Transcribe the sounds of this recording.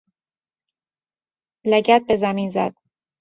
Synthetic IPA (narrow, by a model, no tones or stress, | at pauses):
læɟæt̪̚be̞zæminzæd̪̥̚